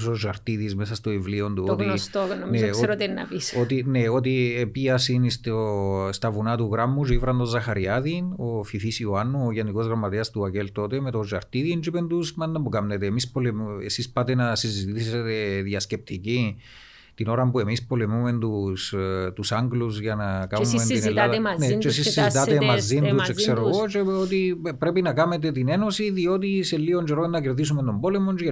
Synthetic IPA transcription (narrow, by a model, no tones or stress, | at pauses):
soʒːɐɾt̪iðizmesɐst̪oivlio̞nd̪uot̪iost̪onmneoɾot̪enːɐ̰pisot̪ineo̞t̪̬iepiɐsinist̪ost̪ɐvunɐt̪uɣɾɐmːuʐivɾɐnd̪ozːɐxɐɾiɐðinofifisiuanːuoʝeniko̞zɣɾɐmːɐt̪eɐst̪uace̞lt̪o̞t̪emet̪o̞ʒɐɾt̪iðiend͡ʒipend̪usmɐnd̪ɐmbukɐmnet̪eːmispo̞lemesispɐt̪enɐsizit̪iset̪e̞ðiɐsce̞p̚t̪ici | t̪ino̞ɾɐmpue̞mispo̞lemume̞nt̪ust̪usaŋɡluz̬ʝɐnɐkaumeninelaðnet͡ʃesisːizit̪at̪emazint̪ut͡ʃeksseɾoɣot͡ʃe̞ot̪ipɾe̞pinɐkɐmet̪̬e̞t̪ine̞no̞siðio̞t̪iselːiond͡ʒeɾoenːɐceɾðis̬ument̪o̞mbo̞le̞mo̞nt͡ʃ